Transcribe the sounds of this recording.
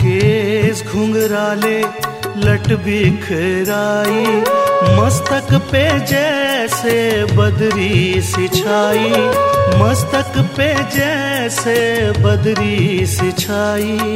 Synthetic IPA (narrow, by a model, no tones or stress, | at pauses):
keːsɡʱʊ̃ŋɡɾaːleː | lɐʈbiːkʰɪɾaːiːmɐst̪əkpeːd͡ʒɛsebɐd̪ɾisɪt͡ʃʰaːiːmɐst̪əkped͡ʒɛːsebɐd̪ɾiːsɪt͡ʃʰaːiː